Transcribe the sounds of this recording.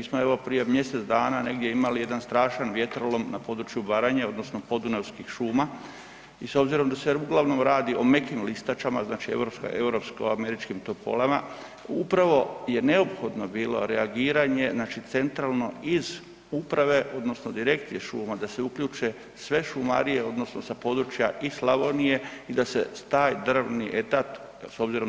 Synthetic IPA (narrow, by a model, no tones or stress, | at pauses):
iːsmoeʋo̞pɾije̞mje̞set̪d̪aːnane̞ɡd̪ʲje̞imalije̞d̪anst̪ɾaːʃanʋje̞t̪ɾolo̞mnapo̞d̪ɾut͡ʃjubaɾaɲao̞d̪nosnopo̞d̪unawskixʃuːma | iso̞bziɾo̞md̪aseuɡlaʋno̞mɾaːd̪io̞me̞kimlist̪at͡ʃama̰znaːt͡ʃiḛvɾopska̰ʔe̞wɾopsko̰ame̞ɾit͡ʃkimt̪opo̰lama̰ | upɾaʋo̞je̞ne̞o̞pxo̞d̪no̞biːlo̞̰ɾeaɡiːɾaɲe̞znaːt͡ʃit̪se̞nt̪ɾalˠno̞iz | upɾaʋe̞ʔo̞d̪no̞sno̞d̪iɾe̞kt̪sijeʃuːmad̪ase̞ukʎuːt͡ʃe | sʋe̞ʃuma̰ɾije̞o̞d̪no̞snosapo̞ːd̪ɾut͡ʃjaʔislaʋonije̞id̪aset̪aːjd̪r̩ʋniʔe̞t̪at̪ | so̞bziɾo̞